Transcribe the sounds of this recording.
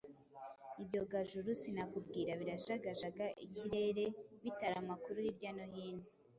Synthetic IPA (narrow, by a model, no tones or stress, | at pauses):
ibjo̞ɡaʒuɾusinakubɡiːɾaβiɾaʃaɡaʒaɡaʔiciɾe̞ɾe̞βitaɾamakuɾuiɾɟanoɦiːnu